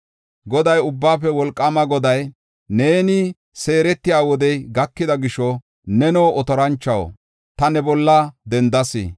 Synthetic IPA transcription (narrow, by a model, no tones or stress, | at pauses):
ɡɔd̪ɐjʊbːaːfɛwɔlkʼːɐmɐɡɔd̪ɐj | ne̞ːnɪ | se̞ːɾɛt̪ːɪjaːwɔd̪ɛjɡɐkːɪd̪ɐɡɪʃɔ | nɛnoːʔɔt̪ɔɾɐnt͡ʃːɐwo̰ | t̪ɐnɛbɔlːɐd̪ɛnd̪ɐsɪ̰